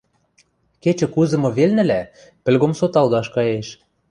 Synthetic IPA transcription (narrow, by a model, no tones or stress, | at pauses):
ket͡ɕɘ̆kuzɤ̆mɤ̆βelnɘ̆læ | pɘ̆lɣomsot̪ɑld̪ɑʃkɑjeʃ